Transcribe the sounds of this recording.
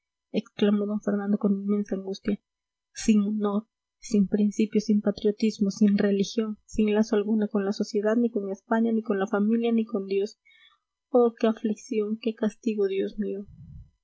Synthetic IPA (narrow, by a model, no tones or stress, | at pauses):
e̞ksklamo̞ðo̞ŋfe̞ɾnãnd̪o̞koninme̞nsaːŋɡust̪ja | siŋono̞ɾ | simpɾinsipjosimpat̪ɾjo̞t̪izmo̞sinre̞lixjo̞nsiŋlasoalɣunako̞nlaso̞sje̞ðad̪niko̞nespaɲaniko̞nlafamiljaniko̞nd̪jo̞s | poɾkeafliksjo̞ŋke̞kast̪iɣo̞ðjo̞smio